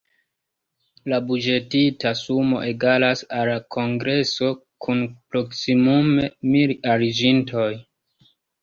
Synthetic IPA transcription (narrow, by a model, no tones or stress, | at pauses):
labud͡ʒe̞titasumo̞̰ʔeɡalasalakʰoŋɡɾe̞so̞ | kʰunpɾo̞ksimumemiɾaɾid͡ʒintʰo̞j